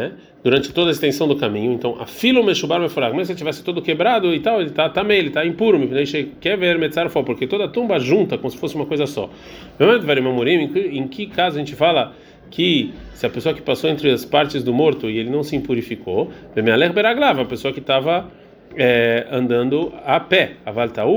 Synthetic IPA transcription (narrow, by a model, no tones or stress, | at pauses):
nɛ | d̪̥uɾɐ̃nt͡ʃɪ̥t̪od̪ɐɪst̪ẽsɐ̃w̃d̪ʊkamĩɲʊẽnt̪ɐ̃w̃ʔɐ̰filɐ̃meʃubaɾmefoɾakomeset͡ʃivɛsɪ̥t̪od̪ʊkebɾad̪ʊɪt̪awelɪt̪at̪amẽj̃elɪt̪aẽpuɾʊmɪnẽʃekɛɾveɾmed̪ɪsaɾʊfɔpoɾket̪od̪ɐt̪õmbɐʒũnt̪ɐkõmʊsɪ̥fosɪũmɐkojzɐsɔ̰ | mewmãmd̪ʊvɛɾʊmamoɾĩʊẽkẽkɪkazʊɐʒẽnt͡ʃɪfalɐ | kʰɪsɪɐpesoɐkɪ̥pasowẽnt̪ɾɪɐspaɾt͡ʃɪzd̪ʊmoɾt̪ʊɪelɪnɐ̃w̃sɪẽpuɾifikovemẽalɛɣbɛɾaɡlavɐ̃ɐpesoɐkɪt̪avɐ | ɛɐ̃nd̪ɐ̃nd̪ʊapɛavalɪt̪au